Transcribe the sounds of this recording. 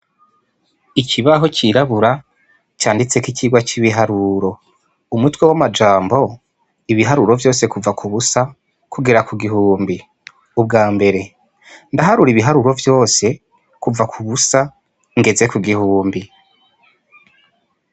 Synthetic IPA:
icʰiβaɦo̞ciɾaβuɾa | t͡ʃaːndit͡se̞kiciɡwat͡ʃiβiɦaɾuɾo̞ | umutwe̞wamad͡ʒaːmbo̞ | iβiɦaɾuɾo̞vjo̞ːse̞kuvakuβusa | kuɡiɾakuɡiɦuːmbi | ub̚ɡaːmbe̞ɾe̞ | ndaɦaɾuɾiβiɦaɾuɾo̞vjo̞ːse̞ | kuvakʰuβusa | ŋɡe̞ze̞kuɡihuːmbi

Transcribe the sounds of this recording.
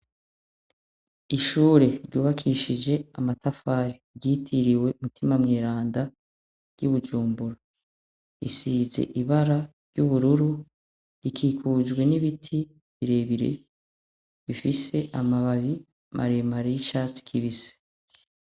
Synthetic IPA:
iʃuːɾe̞ɾɟuːβakʰiʃid͡ʒe̞amatafaːɾi | ɟiːtʰiɾiwe̞umutʰimamŋeːɾaːnda | ɾɟuβud͡ʒuːmbuɾa | ḭsiːzḛʔiβaɾaɾjɟuβuɾuɾu | ikʰiːkʰud͡ʒɡwe̞niβitʰi | βiɾe̞ːβiɾḛ | βifise̞ʔamaβaβi | mʔa̰ɾemaɾijiʃaːt͡si̥kʰiβise̥

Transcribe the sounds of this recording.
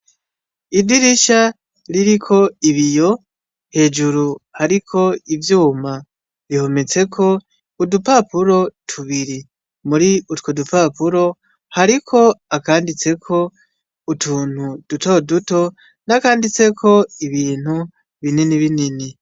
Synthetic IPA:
idiɾiʃa | ɾiɾikʰo̞iβijo̞ | he̞ːd͡ʒuɾuhaɾikʰo̞ivjuːma | βiho̞me̞t͡se̞kʰo̞ | udupapuɾo̞tʰuβiɾi | muɾiutkodupapuɾo̞ | haɾikʰo̞akaːndit͡se̞kʰo̞ | utʰuːn̥hud̥uto̞duto̞ | nakaːndit͡se̞kʰo̞iβiːn̥hu | βininiβinini

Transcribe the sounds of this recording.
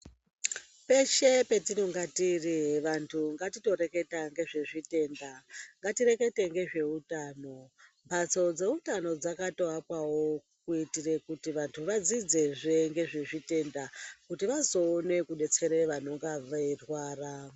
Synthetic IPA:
pe̞ʃepe̞tinoŋɡatiriʋantʰuŋɡatito̞ɾe̞ke̞taŋɡe̞ʐe̞ʐite̞ndaŋɡatire̞ke̞te̞ŋɡe̞ʐe̞utaːno̞mbʰat͡so̞d͡ze̞utano̞d͡zakatoakwawo̞ | kuitire̞kutiʋantʰuʋad͡zid͡ze̞ʐeŋɡe̞ʐe̞ʐite̞ndakutiʋazo̞ːne̞kuɗe̞t͡se̞ɾeʋano̞ŋɡaʋairwaːra

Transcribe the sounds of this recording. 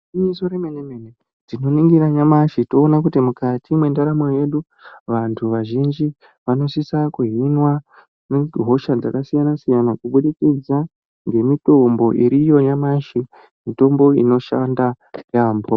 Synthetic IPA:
iisoɾemenemene | tino̞niŋɡiɾaɲamaʃito̞ːnakutimukatʰimwendaɾamoje̞ɗu | ʋantʰuʋaʒind͡ʒi | ʋano̞sisakuɦinwa | neɦo̞ʃad͡zakasijanasijanakuɓuɗikid͡za | ŋɡe̞mito̞mbo̞ʔiɾijo̞ɲamaʃi | mito̞mbo̞ḭno̞ʃanda | jaːmbo

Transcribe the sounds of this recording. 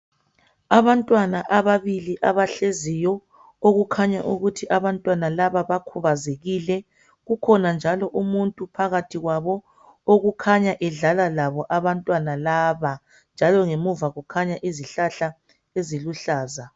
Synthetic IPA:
aβantʼwanaʔaβaβiliʔaβaɬezijɔ | oɣukʰaɲaʔuɣutʰiʔaβantʼwanalaβaβakʰuβazeɣilɛ | ɣukʰɔnand͡ʒʱalɔʔumuntʼupʰaɣatʰiɣwaβɔ | oɣukʰaɲaʔɛɮalalaβɔʔaβantʼwanalaːβa | nd͡ʒʱalɔŋemuvaɣukʰaɲaʔiziɬaɬa | eziluɬaːza

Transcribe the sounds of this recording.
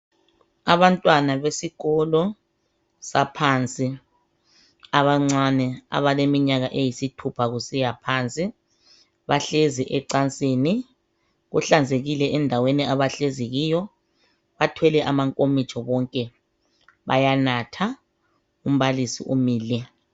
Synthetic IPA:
aβantʼwanaβesiɣɔlɔ | sapʰant͡sʼi | aβaŋ͡ǀanɛa̰βalemiɲaɣaʔejisitʰupʰaɣusijapʰant͡sʼi | βaɬeziʔɛǀant͡sʼeːni | ɣṵɬand͡zʱeɣilɛʔɛndʱaweniaβaɬeziɣiːjɔ | βatʰwɛlɛʔamaŋkʼomit͡ʃʰʼɔβɔŋkʼɛ | βa̰janatʰa | um̩βalisḭʔumiːlɛ

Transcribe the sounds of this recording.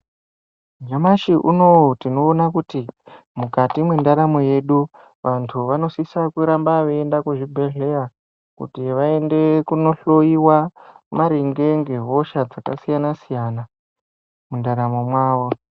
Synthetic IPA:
d͡ʒamaʃiʔuno̞tino̞ːnakuti | mukatimwendaɾamo̞je̞ɗu | ʋantʰuʋano̞sisakuɾambaʋeendakuʐibʱeɮe̞ja | kṵtiʋae̞nde̞kuno̞ɬo̞iwamaɾiŋɡe̞ŋɡe̞ɦo̞ʃad͡zakasijanasijana | mundaɾamo̞mwaːʋo̞

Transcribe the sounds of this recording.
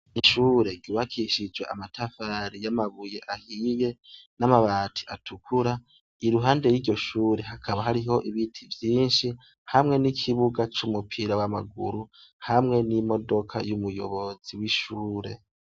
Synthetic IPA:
iʃuːɾe̞ɟuβakʰiʃid͡ʒwea̰matʰafaɾijamaβuje̞ʔahije̞namaβaːtʰi̥atukʰuɾa | iɾuɦaːnde̞jiːɟo̞ʃuːɾe̞ɦakʰaβaɦaɾiɦo̞ʔiβitʰivjiːnʃi | hamŋe̞nikʰiβuɡat͡ʃumupʰiɾawamaɡṵɾuhamŋe̞nimo̞do̞kʰa̰jumujo̞̰βo̞z̥iwiʃuːɾe̞

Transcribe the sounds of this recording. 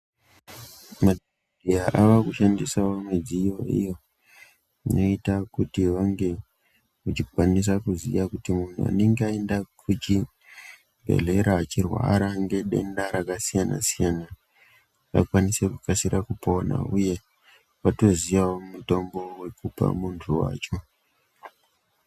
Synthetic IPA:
made | dʱiaʔaʋakuʃandisawomed͡zijo̞ḭjo̞ | ino̞itakutiʋaŋɡe̞ | ut͡ʃikwanis̬akuzḭjakutimun̤ṵa̰ne̞ŋɡeae̞ndakʰut͡ʃi | bʱe̞̰ɮe̞ɾaːt͡ʃirwa̰ɾaŋɡe̞ɗe̞ndaɾakasijana̰sijana | ʋa̰kwanise̞kukasiɾʔakupo̞na̰uje̞ | wato̞zijawomumuto̞mbo̞we̞kupa̰muntʰuwa̰ːt͡ʃo̞

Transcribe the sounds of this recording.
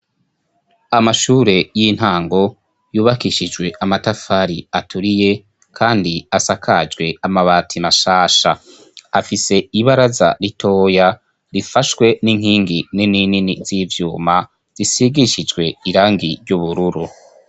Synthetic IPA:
amaʃuːɾe̞jin̥haːŋɡo̞ | juːβakiʃid͡ʒɡwe̞ʔamatafaɾiatʰuɾije̞ | kʰaːndiasakʰad͡ʒɡwe̞amaβaːtʰimaʃaːʃa | afise̞iβaɾaza̰ɾitʰo̞ːja | ɾifaʃwe̞niŋ̥hiːŋɡininininiz̥ivjuːma | z̥isiɡiʃid͡ʒɡwe̞iɾaːŋɡiɾɟuβuɾuɾu

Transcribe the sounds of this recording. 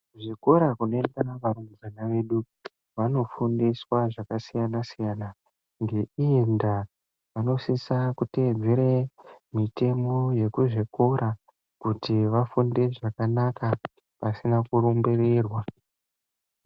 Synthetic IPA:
uʐiko̞ɾakunoendaʋaɾuŋɡuʋanaʋe̞ɗu | ʋano̞fundiswaʐakasijanasijana | ŋɡe̞ienda | ʋano̞sisakute̞d͡zʱeɾemite̞mo̞je̞kuʐiko̞ɾʔa | kutiʋafundeʐakanaka | pasinakuɾumbereːrwa

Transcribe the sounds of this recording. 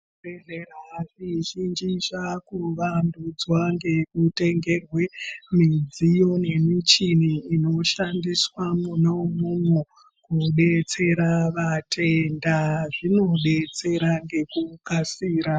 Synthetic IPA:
bereraʐiʒind͡ʒiʐakuʋandud͡zwaŋɡe̞kute̞ŋɡe̞rwe̞mid͡zijo̞ne̞mit͡ʃiniːno̞ʃandiswamunomumwu | kuɓe̞t͡se̞ɾaʋatʰe̞ndaʐino̞ɓe̞t͡se̞ɾaŋɡe̞kukasiːɾa

